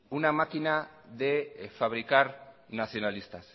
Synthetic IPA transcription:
unamakina | ðe̞faβ̞ɾikaɾ | naθjo̞nalist̪as

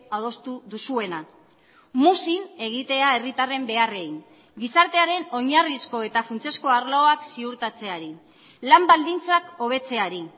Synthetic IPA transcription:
aðo̞st̪uðusue̞na | musine̞ɣ̞it̪e̞ae̞rit̪are̞mbe̞are̞iŋ | ɡisaɾt̪e̞aɾe̞no̞ɲarisko̞e̞t̪afunt͡siesko̞aɾloaksiuɾt̪at͡se̞aɾi | lambald̪int͡sako̞β̞e̞t͡se̞aɾi

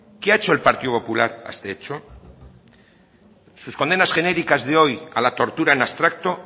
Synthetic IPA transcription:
keaet͡ʃo̞e̞lpaɾt̪iopo̞pulaɾa̰st̪eet͡ʃo | susko̞nd̪enasxe̞neɾikazðeo̞ja̰lat̪o̞ɾt̪uɾaenast̪ɾak̚t̪o̞

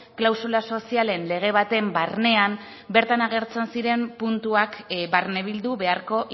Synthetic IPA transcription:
klawsulaso̞siale̞nle̞ɣ̞e̞β̞at̪e̞mbarne̞am | be̞ɾt̪anaɣe̞ɾt͡se̞nsiɾe̞mpunt̪uakbarne̞β̞ild̪uβe̞aɾko̞ʔ

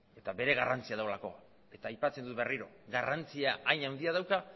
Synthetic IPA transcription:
e̞t̪aβe̞ɾe̞ɣarant͡siaðawlako̞ | e̞t̪aːjpat͡se̞nd̪ut̪beriɾo̞̰ | ɣarant͡siaʔːjɲawnd̪iað̞awka

